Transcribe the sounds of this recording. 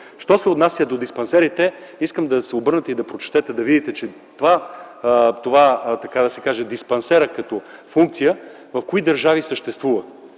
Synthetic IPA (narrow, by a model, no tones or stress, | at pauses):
ʃt̪ɔsɛot̪nasjəd̪od̪ispɐnsɛɾit̪ɛiskəmd̪ɐsɛobɤɾnət̪ɛid̪ɐpɾot͡ʃt̪ɛt̪ɛd̪ɐvid̪it̪ɛt͡ʃɛ | t̪ova | t̪ovat̪ɐkad̪ɐsɛkaʒɛd̪ispɐnsɛɾəkɐt̪ɔfuŋk̚t̪sijə | vɐfkoid̪əɾʒavisəʃt̪ɛst̪vuvə